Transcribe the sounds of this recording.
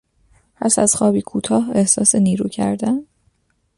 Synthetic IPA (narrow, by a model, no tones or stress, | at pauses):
pʰæsæzxɒːbiːkʰuːt̪ʰɒːhe̞hsɒːseniːɾuːcʰæ̰ɾd̪æn